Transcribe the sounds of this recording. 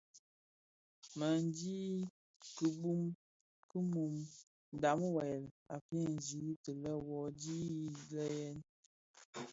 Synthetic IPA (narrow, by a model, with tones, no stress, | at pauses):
mə˨n˦di˦ | kə˨bu˦m | kə˦mu˨m | n˨da˨˦m˦wɛ˨l | a˨pɛ˦˨n˨zi˨˦tə˨lə˦wɔ˨˦di˦lə˦jɛ˦n